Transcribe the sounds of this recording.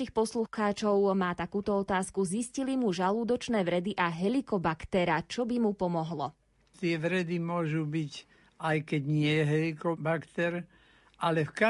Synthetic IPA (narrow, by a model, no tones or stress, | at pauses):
ixpɔsluxaːt͡ʃɔʊmaːt̪akuːt̪ɔɔt̪aːskuziscilimuʒaluːd̪ɔt͡ʃnɛːʋɾɛd̪iʔaɦɛlikɔbakt̪ɛɾat͡ʃɔbimupɔmɔɦlɔ | t̪ɪɛʋɾɛd̪imʊɔʒubic | ajkɛɟɲɪɛjɛɦɛlikɔbakt̪ɛɾ | alɛfka